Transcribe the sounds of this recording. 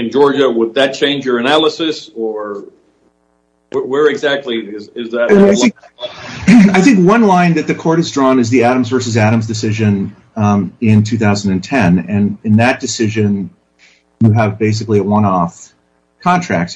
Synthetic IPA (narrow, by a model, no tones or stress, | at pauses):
ɨ̃nd͡ʒɔɹd͡ʒɨwəd̪̚ðɨt̚t͡ʃʰẽɪ̃nd͡ʒjə˞ɨnælˠəsɨsə˞ | wə˞ɨɡzæk̚tʰˡliɪzɪzðɨ̃aɪɪ̃ŋ | aɪθɪ̃ŋkwʌ̃nlãɪ̃nðɨt̪̚ðɨkʰɔɹɾɨzdɹɔ̃nɨzðiæɾɨ̃mzvɜ˞sɨzæɾɨ̃mzdɨsɪʒɨ̃n | ɪ̃ntʰʉθaʊzn̩dɨ̃n̩tʰɛ̃nɨ̃nɨ̃nðɨt̚d̥ɨsɪʒɨ̃n | jɨəvbeɪs̬ɨkliəwʌ̃nɔf | kʰɑ̃ntʰɹ̥æ̰k̚ts